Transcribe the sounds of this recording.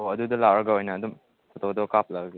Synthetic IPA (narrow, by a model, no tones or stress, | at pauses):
oɐdudɐlawɾɐɡaojnɐːdum | sɔtʰodokap̚laɡaɡa